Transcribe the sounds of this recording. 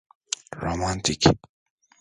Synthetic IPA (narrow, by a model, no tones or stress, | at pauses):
ɹomant̪ik